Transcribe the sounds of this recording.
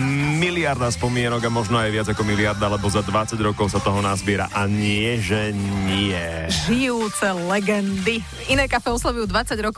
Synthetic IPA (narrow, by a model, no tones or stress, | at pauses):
miliaɾd̪aspɔmɪɛnɔɡamɔʒnɔajʋɪad͡zakɔmiliaɾd̪aalɛbɔzad̪ʋat͡saɟɾɔkɔʊsat̪ɔɦɔnazbɪɛɾa̰ʔaɲɪɛʒɛɲiɛʒijuːt͡sɛlɛɡɛnd̪i | inɛːkafɛːɔslˠɔʋujuːd̪ʋat͡saɟɾɔk